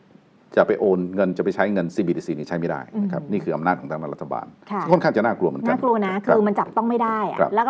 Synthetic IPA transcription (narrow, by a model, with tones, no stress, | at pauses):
t͡ɕa˨˩pa˧jʔoː˧nŋɤ˧nt͡ɕa˨˩pa˧jt͡ɕʰa˦˥jŋɤ˧nsiː˧biː˧diː˧siː˧niː˧˩t͡ɕʰa˦˥jma˥˩da̰ː˥˩jna˦kʰa˦˥p̚niː˥˩kʰɯː˧˩ʔa˧mnaː˥˩t̪̚kʰɔ˩˦ŋt̪ʰa˧˩naː˧˩ɾa˦˥t̪ʰa˧ba̰ː˧nʰa˥˩˥ŋkʰo˥˩nkʰa˥˩t͡ɕa˨˩naː˥˩klu˧ɐmɤ˧˦nka˧˥˩klu˧ɐ˧na˦˥kʰɯː˧ma˧nt͡ɕa˨˩p̚t̪ɔ˥˩ŋma˥˩jda˥˩ja̰˨˩kʰɾa̰˦˩lɛ˦˥kː